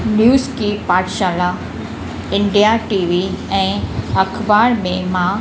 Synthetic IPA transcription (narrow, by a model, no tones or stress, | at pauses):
njuːzkipaːʈʃaːla | ɪ̃ɳɖijaʈiːʋiɛ̃ːɐkʰbaːɾmẽmã